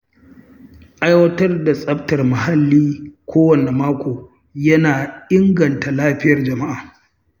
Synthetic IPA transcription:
ʔa˦jwɐ˦tɐ˦rda˨sʼɐ˦b̚tɐ˨rma˨ha˦lːiː˦kʷʰoː˦wɐ˨ne˨maː˦kʷoː˨ | jɐ˦naː˨ʔɪ˦ŋɡɐ˨nta˨laː˦ɸɪ˦jɐ˨rd͡ʒɐ˨ma˦ʔaː˨

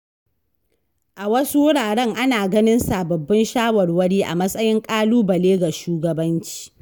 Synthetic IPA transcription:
ʔa˨wɐ˦su˦wʊ˦ɽaː˨ɽɛ˦ŋʔa˦naː˨ɡɐ˦nɪ˦nsaː˨bɐ˨bːɐ˦nʃaː˦wɐ˨rwɐ˦ɽiː˦ʔa̰˨mɐ˦sʼɐ˦jɪ˦ŋkʼaː˦luː˦bɐ˨leː˦ɡa˨ʃuː˦ɡɐ˨bɐ˦nt͡ʃi̥ː˦

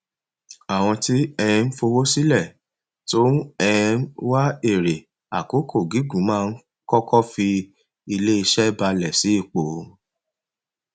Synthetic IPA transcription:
a˨w̃ɔ̃˧ti˦ɛ˧ɛ̃˧n̩˦fo˧wo˦si˦lɛ˦˨ | tõ˦ɛ̃˧˦wa˦e˦˨ɾe˨ | a˨ko˨˦kʰo˦˨ɡi˨˦ɡũ˨˦mãː˦˧n̩˦ | kɔ˦kɔ˦fi˧ | i˧le˦i˧ʃɛ˦ba˧lɛ˨si˨˦i˦˨k͡po˨˦

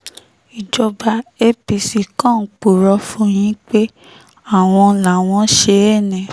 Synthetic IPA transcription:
i˨d͡ʒɔ˧ba˧e˦pi˧si˧kã˦˨k͡pu˨ɾɔ˧˦fũ˦j̃ĩ˦k͡pe˦ | a˦˨w̃ɔ̃˧la˨w̃ɔ̃˧˦ʃe˧˦ɛ˦˨nɛ̃˨

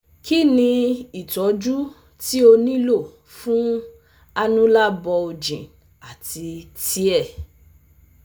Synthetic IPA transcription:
ki˦nĩ˧i˨tɔ˨˦d͡ʒu˦ | ti˦o˧nĩ˦lo˦˨ | fũ˦ | a˧nũ˦la˦bɔ˧o˧d͡ʒḭ̃˨ | a˨ti˧ti˦ɛ˦˨

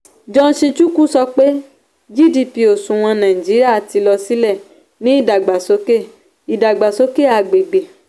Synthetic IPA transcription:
d͡ʒɔ̃˧˦ʃĩ˧t͡ʃu˦ku˦sɔ˧k͡pe˦ | d͡ʒi˦di˦˨pi˧o˨sũ˨w̃ɔ̃˧nã˨ĩ˨d͡ʒi˨˦ɾi˦a˦˨ti˧lɔ˧si˦lɛ˦˨ | nĩ˦i˦˨da˨ɡ͡ba˨so˨˦ke˦˨ | i˨da˨ɡ͡ba˨so˦ke˦˨a˧ɡ͡be˨ɡ͡be˨

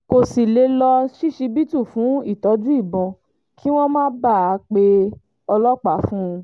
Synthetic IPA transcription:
ko˨si˨le˧˦lɔ˧ʃi˦ʃi˧bi˦tũ˦˨fũ˨˦i˦˨tɔ˨˦d͡ʒũ˦i˦˨bɔ̃˧ | kʰi˦w̃ɔ̃˦mãː˦ba˦˨a˨˧k͡pe˧ | ɔ˧lɔ˦k͡pa˨˦fũ˦ũ˧

